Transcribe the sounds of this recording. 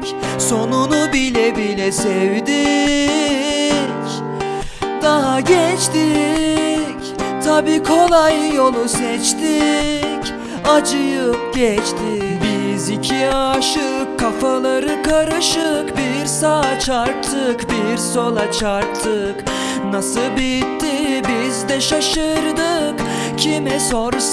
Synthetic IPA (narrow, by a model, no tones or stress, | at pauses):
so̞nunubilʲɛbilʲɛsɛvd̪i | c | d̪̥aɦaɟɛt͡ʃt̪i | c | t̪ʰabiːkʰo̞lˠajːo̞lˠusɛt͡ʃt̪ic | ad͡ʒɯjɯp̚ɟɛt͡ʃt̪ʰɪ | bizicʰiaʃɯkʰːafalˠaɾɯkʰaɾɯʃɯkbiɾsat͡ʃʰaɾkt̪ʰːɯkbiɾso̞lˠat͡ʃʰaɾkt̪ʰːɯ | k | nasɯbit̪ːibizd̪ɛʃaʃɯɾd̪ɯk | cʰimɛsoɾ